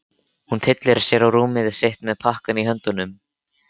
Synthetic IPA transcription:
hunt̪ʰɪt̪lɪɾsjɛɾawɾuːmɪðɪsejht̪mɛðpʰahkaniɦœnt̪ʏnʏm

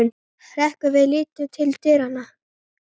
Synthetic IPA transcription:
ʏn | hɾɛhkʏvɪðlɪːt̪ʏt̪ʰɪlt̪ɪɾanːa

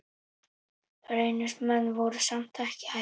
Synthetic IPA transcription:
ɾeːjnʏ̥smɛnːvɔwɾʏsamt̪ʰahcɪ̥ha

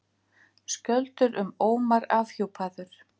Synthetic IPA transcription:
scœlt̪ʏɾʔʏmoːwmaɾaːvhowpʰaːðʏɾ̥

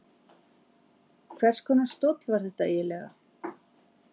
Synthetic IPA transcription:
kʰvɛr̥skʰɔːnast̪ɔt̪lvaɾ̥θɛht̪aɛlɛɣa̰

